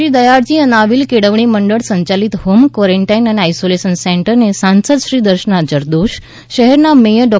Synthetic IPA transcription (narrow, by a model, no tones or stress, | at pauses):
iːd̪əjaɾd͡ʑiənaʋiːlkeɽəʋɳ̃iməɳɖəɽsə̃ɲt͡ɕaliːt̪ɦomkʋəɾeɳʈajinaneajsoleɕənseɳʈəɾnesãnsəd̪ɕɾiːd̪əɾɕənad͡ʑəɾd̪oɕ | ɕəɦɛɾnamejəɖɔ